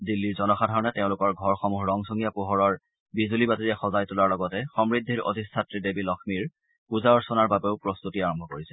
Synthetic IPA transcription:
dilːiɹzɔnɔxadʱaɹɔnɛteʊ̃lʊkɔɹɡʱɔɹxɔmuɦɹɔŋsoŋijapuɦɔɹɔɹ | bizulibatiɹiaxɔzajtulaɹlɔɡɔtɛxɔmɹidʱːiɹo̰dʱissʰatɹidebilɔxʰmiɹ | puzaɔɹsɔnaɹbabeʊpɹɔst̪utiaɹɔmbʱɔkoɹisɛ̥

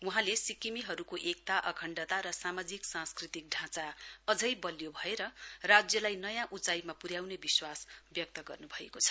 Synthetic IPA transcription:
uɦãlesikimiɦʌɾukoʔek̚t̪aʔʌkʰʌɳɖʌt̪aɾʌsamad͡ziksãnskrit̪ik̚ɖʱãt͡saʌd͡zʌjbʌljobʱʌeɾʌrad͡zjʌlajnʌjãʔut͡saimapuɾjawnebiswasbjʌk̚t̪ʌɡʌ̰rnubʱʌekot͡sʰʌ̥

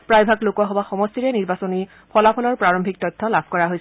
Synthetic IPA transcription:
pɹajbʱaklokwaɦɔbaxɔmɔstiɹɛniɹbasɔni | pʰɔlapʰɔlɔɹpɹaɹɔmbʱik̚tɔtʰːɔlabʱkɔɹaɦojs

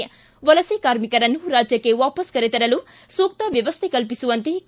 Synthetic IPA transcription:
ʋɐlɐsekaːɾmikɐɾɐnːuɾaːd͡ʒjɐkːeʋaːpɐskɐɾet̪ɐɾɐlu | soːk̚t̪ɐʋjɐʋɐst̪ʰekɐlp̬isuʋɐnt̪e

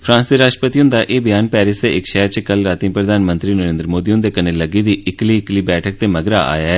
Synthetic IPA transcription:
pʰɾãːsd̪eːɾaːʃʈəpət̪iʊ̃nd̪aːʔeːbɪjaːnpɛːɾɪsd̪eɪkʃɛːɾt͡ʃəkəlɾaːt̪iːpɾəd̪ʱaːnmə̃nt̪ɾiːnəɾẽːnd̪ɾəmoːd̪iːʊ̃nd̪eːkəneːləɡiːd̪iːʔɪkliːɪkliːbɛːʈʰək̚t̪eːməɡɾaːʔa̰ːjaːɦɛː

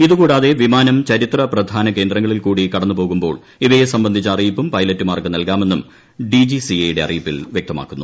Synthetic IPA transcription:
iðukuːɽaːðe̞ʋimaːnɐmt͡ɕɐɾit̪rɐprɐd̪ʱaːnɐke̞ːnd̪ɾɐŋːɐɭilkuːɽikɐɽɐnːupo̞ːɣumbo̞ːɭ | iʋɐjesɐmbɐnd̪ʱit͡ɕːɐɐrijipːumpɐjlɐtːumaːrkɨnɐlkaːme̞nːum | ɖid͡ʑisiejiɽe̞ɐrijupːilʋjek̚t̪ɐma̰ːkːunːu

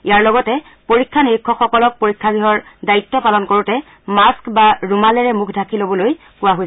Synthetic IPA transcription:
ijaɹlɔɡɔtɛ | poɹikʰːaniɹikʰːɔxɔkɔlɔk̚poɹikʰːaɡɹiɦɔɹdaitːɔpalɔnkoɹutɛ | maskbaɹumalɛɹɛmukʰdʱakʰilobɔloj | kʊwaɦoj

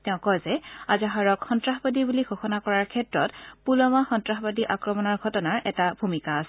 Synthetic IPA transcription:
teʊ̃kɔjzɛazaɦaɹɔkxɔntɹaxbadibuliɡʱɔxɔnakɔɹaɹkʰɛtɹɔtpulɔmaxɔntɹaxbadiʔakɹɔmɔnaɹɡʱɔtɔnaɹɛtabʱumikaːsɛ

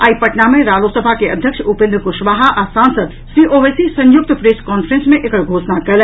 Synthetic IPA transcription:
aːipəʈnamẽɾaːlosəbʱakeəd̪ʱjəkʃupɪ̃nd̪ɾəkʊʃʋaːɦaʔasãːnsəd̪ | sɾiʔoʋesisə̃jʊk̚t̪pɾeskɔːnfʰəɾẽnsmẽʔekəɡʱoːʃnakɐl

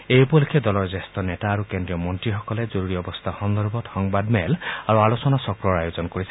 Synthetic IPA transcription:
ejupɔlekʰɛdɔlɔɹzestɔnɛtaːɹukendɹijɔmɔntɹixɔkɔlɛzoɹuɹiɔbɔst̪ʰaxɔnd̪ɔɹbɔtxɔŋbadmɛlaɹualosɔnasɔkɹɔɹajozɔnkoɹisɛ

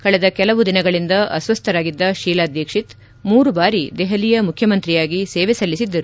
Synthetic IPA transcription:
kɐɭɛd̪ɐkɛlɐʋud̪inɐɡɐɭind̪ɐʔɐ̰sʋɐst̪ʰɐɾaːɡid̪ːɐʃiːlaːd̪jɐkʂit̪ | muːɾubaːɾid̪ɛɦɐlijɐmukʰjɐmɐnt̪ɾijaːɡiseːʋɛsɐlːisid̪ːɐɾu

